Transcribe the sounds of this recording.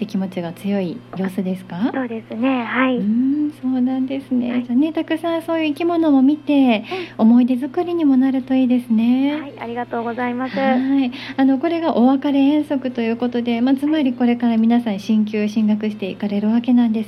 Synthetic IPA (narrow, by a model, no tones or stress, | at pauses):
t̪ːe̞kʲimo̞t͡ɕiɡat͡sɨjo̞ijo̞ːsɨd̪e̞sɨ̥kasoːd̪esɨne̞haiɯ̃so̞ːnãnd̪e̞sɨne̞d͡ʑaːne̞t̪akɯ̟sãɰ̃so̞ːjɯ̟ikʲimo̞no̞mo̞mʲit̪e̞o̞mo̞id̪e̞zɨkɯ̟ɾʲiɲ̟imo̞naɾɯ̟t̪o̞iːd̪e̞sɨne̞aiaɾʲiɡat̪o̞ːɡo̞zaimasɨaiano̞ko̞ɾe̞ɡaʔo̞βakaɾe̞ẽɰ̃so̞kɯ̟t̪ojɯ̟ːko̞t̪o̞d̪e̞mat͡sɨmaɾʲiko̞ɾe̞kaɾamʲinasãɰ̃ɕĩŋkʲɨːɕĩŋɡakɯ̟ɕi̥t̪e̞ḭkaɾe̞ɾɯ̟βake̞nãnd̪e̞s